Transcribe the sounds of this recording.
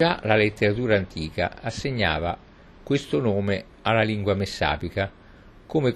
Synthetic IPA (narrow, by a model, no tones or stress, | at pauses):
alalet̪ːeɾat̪uːɾaːnt̪ʰiːka̰asːeɲːa̰ːva̰ | kwɪst̪ʊnoːme | alːaliŋɡwamesːa̰ːpika | komek